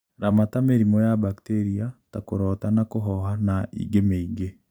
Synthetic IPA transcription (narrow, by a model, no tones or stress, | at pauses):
ɾamatameɾimɔjabakteɾiatakoɾɔtanakoɦɔɦanaḭɡemeiɡe